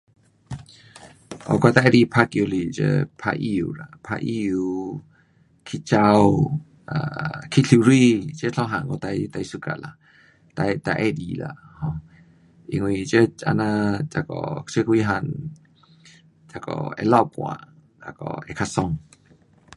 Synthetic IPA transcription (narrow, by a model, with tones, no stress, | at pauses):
ʔɔ̰˧˨ka˧t̪a˧ʔɛ˧di˧pʰa˧kju˧li˨t͡ʃə̰˧pʰa̰˧ʔi˦u˨la˨pʰa̰˧ʔi˧u˧ | kʰi˦t͡ʃa˧w | a˧˨kʰi˦ɬʰu˧ɾi˧t͡ʃə˦ɬʰɔ˧˦ɦã˧˨ŋkɔ˧t̪a˧jt̪a˧jsu˧ka̰˧˨la˧˨ | t̪a˧jt̪a˧ʔɛ˧˦di˧la̰˨hɔ˧ | ḭ˧ŋwi˧t͡ʃə˦a̰˧nã˧t͡ʃa˧kɔ̰˨t͡ʃə˦ki˦˧ɦa˧n | t͡ʃa˧kɔ̰˧˨ɛ̰˧la˧˨wpwa̰˧˨ | a˧kɔ̰˧ɛ˧kʰa˧sɔ˧ŋ